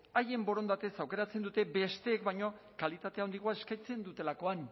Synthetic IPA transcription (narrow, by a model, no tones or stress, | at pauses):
aje̞mbo̞ɾo̞nd̪at̪esawke̞ɾat͡se̞nd̪ut̪e̞be̞st̪e̞ːkbajɲo̞kalit̪at̪e̞ao̞nd̪iɣ̞oaeskajt͡se̞nd̪ut̪e̞lako̞an